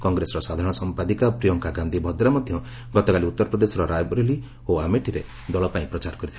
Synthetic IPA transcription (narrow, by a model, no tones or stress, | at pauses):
kɔŋɡɾesɔɾɔsad̪ʱaɾɔ̃ɽ̃ɔsɔmpad̪ikapɾijɔŋkaɡãnd̪ʱibʱɔd̪ɾamɔd̪ʱjɔ | ɡɔt̪ɔkaliut̪ːɔɾɔpɾɔd̪esɔɾɔɾajbɔɾeli | oameʈiɾe | d̪ɔlɔpaĩpɾɔt͡ʃaɾɔkɔɾit̪ʰi